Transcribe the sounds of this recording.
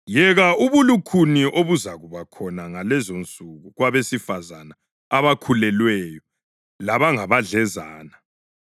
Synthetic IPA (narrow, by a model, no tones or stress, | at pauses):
jɛɣauβulukʰuniʔoβuzaɣuβakʰɔnaŋalɛzont͡sʼuɣuɣwaβesifazana | aβakʰulɛlwɛjɔ | laβaŋaβaɮɛzaːna